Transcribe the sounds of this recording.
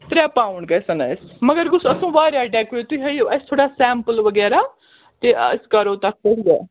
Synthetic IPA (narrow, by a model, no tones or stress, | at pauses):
t̪ɾɛːpaːʊɳɡeːsənasməɡəɾɡʊsəsũːʋaːɾjaːɖɛːkʊɾeːt̪uiɦəioːʔəst̪ʰoːɽaːsɛ̃ːmpəlʋəɡɛːɾaː | t̪eːʔə̰skəɾoːt̪ək̚ʰːəɦiɛ̰ː